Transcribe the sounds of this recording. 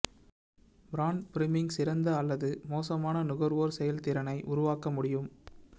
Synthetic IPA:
bɾaːnpɪɾɪmɪŋɡsɪɾɐnd̪ɐɐlːɐðɯmoːsɐmaːnɐnʊɣɐɾʋoːɾsɛjɐlt̪ɪɾɐnɐɪʔʊɾʊʋaːkɐmʊɽɪjɯm

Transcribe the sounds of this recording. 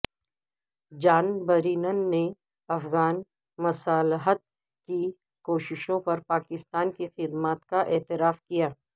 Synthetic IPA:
d͡ʒaːnbɐɾiːnənːe | ɐfɣaːn | mɐsaːlɦət̪̚ | ki | koːʃɪʃõpɐɾpaːkɪst̪aːnkixɪd̪maːt̪kaʔeɛːt̪ɪɾaːfkijaː

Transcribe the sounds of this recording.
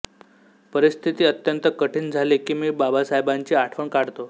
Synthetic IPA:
pəɾist̪ʰit̪iːət̪jənt̪əkəʈʰiːnd͡zʱalikiːmiːbabasaɦjbaɲt͡ɕiːaʈʰʋəɳkaɽt̪o

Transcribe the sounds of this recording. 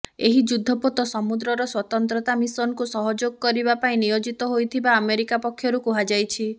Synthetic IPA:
eɦid͡ʒud̪ʱːɔpɔt̪ɔsɔmud̪ɾɔɾɔswɔt̪ɔnt̪ɾɔt̪amisɔnkusɔɦɔd͡ʒoɡɔkɔɾibapaĩnijod͡ʒit̪ɔɦojt̪ʰibaːmeɾikapɔkʰjɔɾukuɦad͡ʒajt͡ʃʰi

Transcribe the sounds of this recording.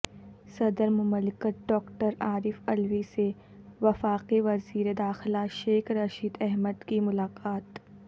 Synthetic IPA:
sɐd̪əɾmʊməlɪkət̪̚ɖɔːkʈəɾaːɾɪfɐlʋise | ʋɐfaːqiʋɐziːɾed̪aːxɪlaʃeːxɾɐʃiːd̪ɛɦməd̪kimʊlaːqaːt̪

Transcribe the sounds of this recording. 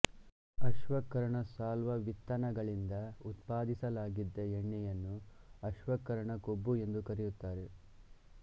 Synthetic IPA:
ɐʃʋɐkːɐɾɐɳɐsaːlʋɐʋit̪ːɐnɐɡɐɭind̪ɐut̪paːd̪isɐlaːɡid̪ːɐeɳːɛjɐnːuɐʃʋɐkːɐɾɐɳɐkobːue̞nd̪ukɐɾejut̪ːaːɾe̞

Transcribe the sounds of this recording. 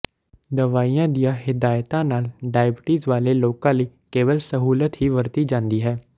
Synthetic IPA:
d̪əʋaːiːãːd̪ijãːɦɪd̪aːjt̪ãːnaːlɖaːjbɪʈiːzʋaːleːloːkãːləiːkeːʋəlsəɦuːlət̪ɦiːʋəɾt̪iːd͡ʒãːnd̪iːɦɛː

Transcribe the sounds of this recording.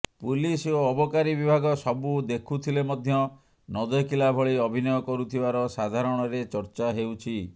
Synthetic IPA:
pulisoɔbɔkaɾibibʱaɡɔsɔbud̪ekʰut̪ʰilemɔd̪ʱjɔ | nɔd̪ɔkilabʱɔɭiɔbʱinɔjɔkɔɾut̪ʰibaɾɔsad̪ʱaɾɔɽ̃ɔɾet͡ʃɔɾt͡ʃaɦewt͡ʃʰi

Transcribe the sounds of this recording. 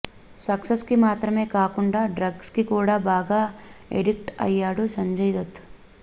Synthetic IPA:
sɐksɐskimaːt̪ɾɐme̞ːkaːkuɳɖaːɖɾɐɡskikuːɽaːbaːɡaːḛɽik̚ʈɐ̰jːaːɽusɐɲd͡ʒɐjd̪ɐt̪ː

